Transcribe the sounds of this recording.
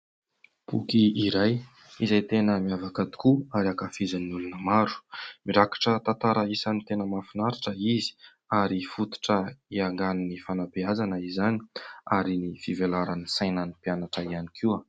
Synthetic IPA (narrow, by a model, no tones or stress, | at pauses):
pṵkiiɾaj | izajt̪enəmiavakad̪i̥kuaɾakafizanulunəmaɾu̥miɾakḁʈ͡ʂət̪ant̪aɾaisanit̪enəmafinaɾiʈ͡ʂəizi̥ | aɾifut̪u̥ʈ͡ʂəiaŋɡaninifanapiazanəizani̥aɾinifivelaɾanisajnanipianaʈ͡ʂəiani̥kʰua